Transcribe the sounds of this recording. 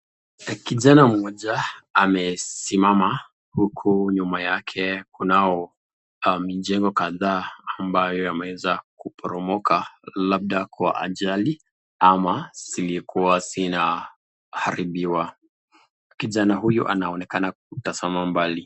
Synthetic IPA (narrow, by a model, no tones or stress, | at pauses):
kiʄanam̩ɔʄaamɛsimama | hukʰuɲumajakʰɛkunaɔ | miʄɛŋɡɔkaðaːmbajɔjamɛwɛzakupʰɔɾɔmɔkalab̚ɗakwa̰ʔa̰ʄali | amaz̥ilikʰuwazina | haɾiɓiwa | kiʄanaɦujṵʔa̰naɔnɛkanak̚utazamambali